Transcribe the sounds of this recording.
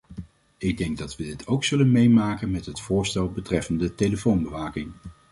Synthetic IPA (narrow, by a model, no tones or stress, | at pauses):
ɪɡ̚dɛŋɡ̚dɑtʋədɪtʰowksɵlənmejmaːkənmɛtɦətfʊːɹstɛlˠbətrɛfəndətejləfownbəʋaːkɪŋ